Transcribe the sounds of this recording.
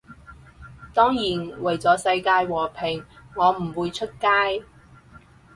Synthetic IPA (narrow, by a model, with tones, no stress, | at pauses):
t̪ɔː˥ŋjiː˨˩nwɐ˨˩jt͡sɔː˨˥sɐ˧jkaː˧jwɔː˨˩pʰɪ˨˩ŋŋɔː˨˧m̩˨˩wuː˨˧jt͡ʃʰɵ˥t̚kaː˥j